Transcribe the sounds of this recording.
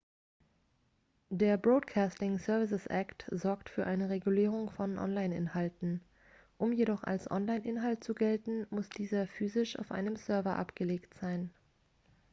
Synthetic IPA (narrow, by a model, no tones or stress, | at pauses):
deːɐbʁoːtkʰaːstɪŋsœɐvɪs̬əsʔaktz̥ɔɐktfyːɐʔaɪnəʁeɡuliːʁ̞ʊŋfɔnʔɔ̰nlaɪnɪ̰nhaltn̩ | ʔʊmjeɾɔχa̰lsʔɔ̰nlaɪnʔɪnɦaltt͡suɡɛltn̩mʊsd̥iːzɐfyːzɪʃa̰ʊfʔa̰ɪnəmsœɐvɐʔa̰pɡ̥əleːktz̥aɪn